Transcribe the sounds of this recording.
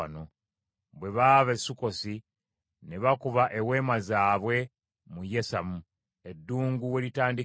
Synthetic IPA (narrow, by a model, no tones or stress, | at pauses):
no | bwe̞βaːβesːuko̞si | ne̞βakuβaʔewe̞ːmazaːβwe̞ | muje̞samu | edːuːŋɡuwe̞litaːndi